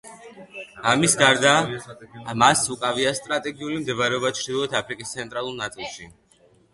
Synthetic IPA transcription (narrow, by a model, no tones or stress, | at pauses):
amisɡaɾd̪aː | masukʼaviast̪ʼɾat̪ʼɛɡiulimd̪ɛvaɾɛɔbat̪t͡ʃʰd̪ilˠɔɛt̪ʰapʰɾikʼist̪sʰɛnt̪ʼɾalˠuɾnat̪sʼilˠʃi